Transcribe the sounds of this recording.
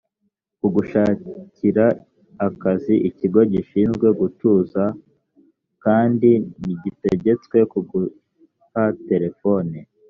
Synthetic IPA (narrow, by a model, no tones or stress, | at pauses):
kuɡuʃaːciɾaː | kaziʔiciɡo̞ɟiʃiːnzɡwe̞ɡutuːza | kaːndiniɟite̞ɟe̞t͡skwe̞kuɡu | hate̞ɾe̞fo̞ni